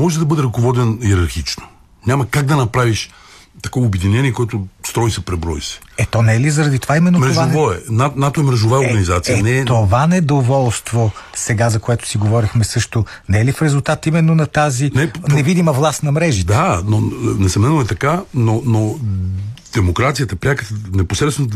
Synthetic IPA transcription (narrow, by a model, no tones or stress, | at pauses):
mɔʒɛd̪ɐbɤd̪ɛɾɐkovɔd̪ɛniɛɾɐɾxit͡ʃno̥ | ɲʲamɐkaɡ̚d̪ɐnɐpɾaviʃ | t̪ɐkɔvobɛd̪inɛnʲiɛkoɛt̪ʊst̪ɾɔisɛpɾɛbɾɔisɛ̥ɛt̪ɔnɛɛlizɐɾɐd̪it̪ovaimɛnːomɾɛoʒvaovɔɛnanat̪oɛmɾɛʒovaɛoɾɡɐnizat̪sijɐnɛt̪ovanɛd̪ovɔlˠst̪vosɛɡazɐkoɛt̪ʊ̥siɡovɔɾixmɛsɤʃt̪o | nɛɛlifɾɛzulˠt̪at̪imɛnːonɐt̪azinɛnɛvid̪imɐvlˠast̪nɐmɾɛʒid̪anonɛsɐmnɛnoɛt̪ɐkanono | d̪̥ɛmokɾat̪siət̪əpɾʲakət̪nɛposɾɛt̪ɛn